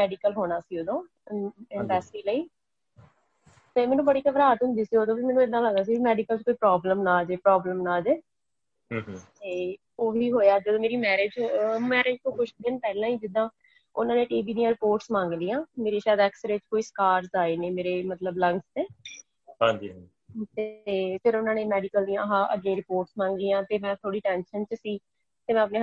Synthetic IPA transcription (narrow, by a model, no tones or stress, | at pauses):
mɛːɖikəlɦoːɽ̃aːsiːoːd̪õː | ɪ̃nɖəːsʈiːləiː | t̪eːmɛ̃ːnũːbəɽiːkəʋɾaːt̪ɦʊnd̪iːsiːoːd̪õːbimɛ̃ːnũːɪd̪ãːləɡd̪aːsiːbimɛːɖikəlt͡ʃkoːiːpɾɔːbləmnãːd͡ʒeːpɾɔːbləmnaːd͡ʒeː | t̪eː | oːɦiːɦoːjaːd͡ʒəd̪õːmeːɾiːmɛːɾeːd͡ʒmɛːɾeːd͡ʒt̪õːkʰʊʃd̪ɪnpɛːlãːiːd͡ʒɪd̪ãː | ʊnãːnẽːʈiːʋiːd̪ijãːɾɪpoːɾʈsmãːŋɡlijãːmeːɾeːʃaːd̪ɛːksəɾet͡ʃkoːiːskaːɾsaːeːneːmeːɾeːmət̪ləblə̃ŋst̪eː | ɦãːɲd͡ʒiːã | t̪eːpɪɾʊnãːneːmɛːɖɪkəld̪ijãːɦãːʔə̰ɡeːɾɪpoːɾʈsmãːŋɡlijãːt̪eːmɛ̃ːt̪ʰoːɽiːʈɛ̃ːnʃənt͡ʃsiː | t̪eːmɛ̃ːəpneː